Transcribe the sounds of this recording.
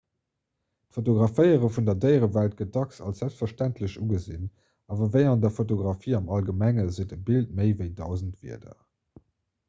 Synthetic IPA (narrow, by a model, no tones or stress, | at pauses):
tfotoɡʁɑfəɪəʁəfundɐdəɪəʁəvælt̚ɡ̥ət̚d̥ɑksɑ̰lszælpstfɐʃtæntʰləɕuɡəzin | ɑːvɐvəɪɑndɐfotoɡʁɑfiːɑmɑlɡəmæŋəzitəbilt̚məɪvəɪdɑʊzəntv̥ḭɐdɐ̰